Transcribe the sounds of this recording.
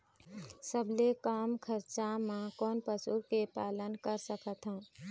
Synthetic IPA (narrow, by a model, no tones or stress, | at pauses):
səbʱlekaːmkʰəɾt͡ʃamãkɔːnpəsuɾkepaːlənkəɾsəkət̪ɦɛ̃ː